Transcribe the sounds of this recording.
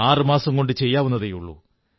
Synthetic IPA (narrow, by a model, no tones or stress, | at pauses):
aːrɨmaːsɐmko̞ɳɖɨt͡ɕe̞jːaːʋunːɐðejuɭːṵ